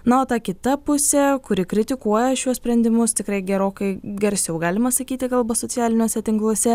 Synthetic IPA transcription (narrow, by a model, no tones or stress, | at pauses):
nɐoːt̪ɑːkʲɪt̪ɐpʊsʲɛkʊɾʲɪkɾʲɪt̪ʲɪkuɔjɛʃʲuɔsʲpʲɾʲɛnʲd̪ʲɪmʊst̪ʲɪkɾɐɪɡʲɛɾoːkɐɪɡɐɾʲsʲɛʊɡɑːlʲɪmɐsɐkʲiːt̪ʲɪkɐlˠbɐsoːt̪sʲjæːlʲɪnʲoːsʲɛt̪ʲɪŋklˠuɔsʲɛ